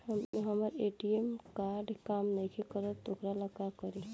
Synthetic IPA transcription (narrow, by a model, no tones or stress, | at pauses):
həmɦəməɾeʈiemkaɾɖkamnəjkʰekəɾət̪okɾaləkakəɾi